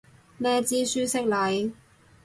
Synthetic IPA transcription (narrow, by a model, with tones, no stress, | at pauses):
nɛː˥t͡siː˥syː˥sɪ˥k̚lɐ˨˥j